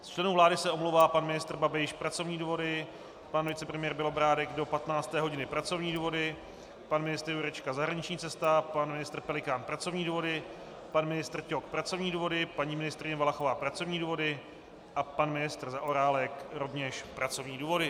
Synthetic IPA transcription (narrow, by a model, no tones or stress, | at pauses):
st͡ʃlɛnuːvlaːdɪsɛʔomlowvaːpanmɪnɪst̪r̩babɪʃpɾat͡so̞vɲiːduːvo̞dɪ | panvɪt͡sɛpɾɛmɪjɛɾbɪlo̞bɾaːdɛɡdo̞pat̪naːt͡st̪ɛːɦo̞ɟɪnɪpɾat͡so̞vɲiːduːvo̞dɪ | panmɪnɪst̪ɾjuɾɛt͡ʃkazaɦɾaɲɪt͡ʃɲiːt͡sɛst̪apanmɪnɪst̪r̩pɛlɪkaːnpɾat͡so̞vɲiːduːvo̞dɪ | panmɪnɪst̪rcok̚pɾat͡so̞vɲiːduːvo̞dɪpaɲiːmɪnɪst̪ɾɪɲɛvalaxovaːpɾat͡so̞vɲiːduːvo̞dɪ | ʔapanmɪnɪst̪r̩zaʔoɾaːlɛkɾo̞vɲɛʃpɾat͡so̞vɲiːduːvo̞dɪ